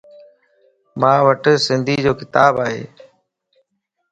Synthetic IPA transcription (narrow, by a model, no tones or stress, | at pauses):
mãːʋəʈsɪnd̪ʱiːd͡ʑoːkɪt̪aːbaːɦḛː